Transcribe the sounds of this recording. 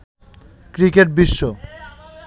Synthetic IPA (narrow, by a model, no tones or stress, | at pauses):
kɾikeʈ̚biʃːo